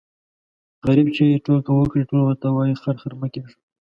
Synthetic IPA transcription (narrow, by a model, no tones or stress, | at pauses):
ɣaɾibt͡ʃeʈolkawəkɽiʈolwəɾt̪awɑjixaɾxaɾmakeʂ